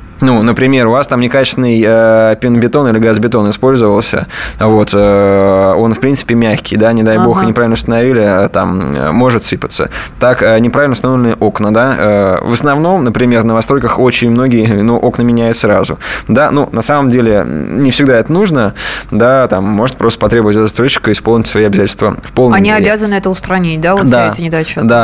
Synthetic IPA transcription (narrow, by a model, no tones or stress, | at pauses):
nunəpɾʲɪmʲe̞ɾʊvast̪amnʲɪkat͡ɕɪst̪ʲɪnɨjəpʲɪnbʲɪt̪o̞nilʲɪɡazbʲɪt̪o̞nɪspo̞lʲzəvəlˠsʲə̰vo̞t̪ə | o̞nfpɾʲint̪sɨ̥pʲɪmʲæxʲkʲɪjd̪anʲɪd̪ajbo̞xnʲɪpɾavʲlnəʊst̪ənɐvʲilʲɪət̪a̰m̰ːo̞ʐɨt̪sɨpə̥t̪sə̰t̪akənʲɪpɾavɪlnʊst̪novlʲɪnəjəʔo̞knəd̪aə̰vəsnɐvno̞mnəpɾʲɪmʲe̞rnəvɐst̪ɾo̞jʲkəxot͡ɕɪnʲmno̞ɡʲɪjənuʔo̞knəmʲɪnʲæjʊt̪sɾa̰zʊ̰d̪anunɐsaməmdʲelʲɪnʲɪfsʲɪɡd̪aɛt̪ənuʐnəd̪at̪amːo̞ʐɨt̪̚pɾost̪ə̥pɐt̪ɾʲe̞bʊvətʲɛt̪st̪ɾot͡ɕːɪ̥kəɨɪsponʲɪtʲsvɐiɐbʲɪzatʲlʲst̪və̰fpolˠamnʲiɐeɾbʲazənɨɛt̪əʊst̪ɾɐnʲit̚ʲd̪avod̪atʲɪnʲɪd̪ajt͡ɕod̪a